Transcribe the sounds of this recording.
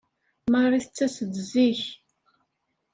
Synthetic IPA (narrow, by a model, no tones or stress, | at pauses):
mɑrˤːiθət͡sːæsədziç